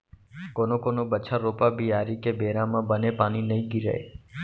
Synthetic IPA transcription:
konokonobət͡ʃʰaɾopabʱiaɾikebʱeɾãmãbənepañinəĩɡiɾə̰ḛ

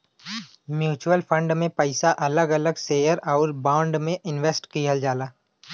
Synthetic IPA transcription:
mjuːt͡ʃuəlpʰə̃ɳɖmẽpəɪsaʔɐləɡɐləɡseːjəɾɔːɾbãːɳɖmẽʔɪnʋeːsʈkiɦəld͡ʒaːlaː

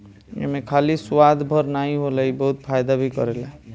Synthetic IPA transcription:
jḛmekʰaliswad̪bʱəɾnaɦĩɦoləibəɦut̪pʰajd̪abʱikɔ̰ɾela

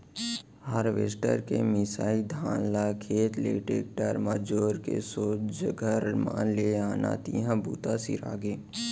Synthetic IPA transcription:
haːɾʋeːsʈə̰ɾkemɪsaːid̪ʱãːnlakʰeːt̪leːʈeːk̚ʈəɾmad͡ʒoːɾkḛsoːd͡ʒəɡʱəɾma̰ːleaːna̰t̪iɦãbṵːt̪asḭɾa̰ːɡeː

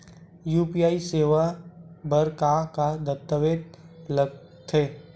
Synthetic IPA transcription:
juːpijaːiseːʋabəɾkakad̪ət̪ːəʋeːd̪ləɡ | t̪ʰeː

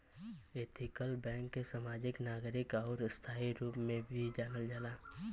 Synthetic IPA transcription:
eːt̪ʰɪkəlbɛ̃ːŋkːesaːmaːd͡ʒɪknaːɡɾɪkɔːɾst̪ʰaːiɾuːpmẽbʱid͡ʒaːnəld͡ʒalaː

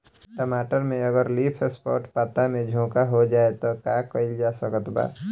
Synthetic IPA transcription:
ʈəmaːʈəɾmẽəɡəɾliːpʰespɔ̰ːɾʈpat̪amẽd͡ʒʱõːkaɦod͡ʒaːet̪okaːkəɪld͡ʒaːsəkət̪ba̰ː

